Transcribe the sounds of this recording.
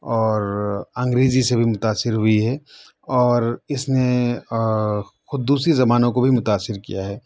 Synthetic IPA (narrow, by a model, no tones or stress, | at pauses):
ɔːɾɐ̃ŋɡɾeːzisebʱimʊt̪aːsːɪɾɦʊiɦɛ | ɔːɾɪsne | xʊd̪̚d̪uːsɾizɐmaːnõkobʱimʊt̪aːsɪɾkḭjaɦɛː